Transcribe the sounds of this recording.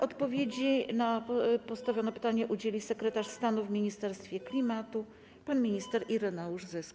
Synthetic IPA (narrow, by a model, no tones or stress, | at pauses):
ʔɔt̪pɔvʲjed͡ʑinapɔst̪avʲjɔnɛpɘ̥t̪aɲɛʔud͡ʑelʲisɛkɾɛt̪aʂst̪anuvmʲiɲist̪ɛɾst̪fʲjɛklʲimat̪u | panmʲiɲist̪ɛɾiɾɛnauʐzɘsk